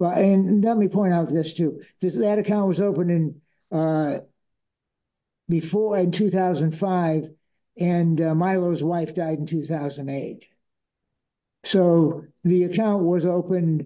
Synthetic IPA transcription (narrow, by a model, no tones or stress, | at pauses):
ɨ̃nlət̚mipʰɔ̃ɪ̃ɾtaʊt̪̚ðɪstʰʉðɪðɨɾɨkʰãʊ̃nʔ̚wʌzoʊpɨ̃nɨ̃n | bɨfɔɹɨ̃ntʰʉθaʊz̃n̩faɪv | ɨ̃nmaɪloʊzwaɪfd̥aɪɾn̩tʰʉθaʊzɨ̃n̩deɪt̚ | soʊðiɨkʰãʊ̃nʔ̚wʌzoʊpɨ̃n